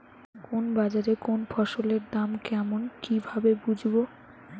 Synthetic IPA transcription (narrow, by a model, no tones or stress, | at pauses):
konbad͡ʑaɾekonfʰɔʃoleɾd̪amkɛmonkibʱabebud͡ʑʱbo